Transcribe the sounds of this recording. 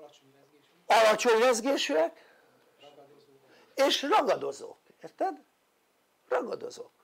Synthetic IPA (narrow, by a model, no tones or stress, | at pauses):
ɒlɒt͡ʃoɲlɛzɡeːʃyɛk | eːʃrɒɡɒd̪o̞zo̞̰k | ert̪ɛd̪ | rɒɡɒ̰d̪o̞̰zo̰k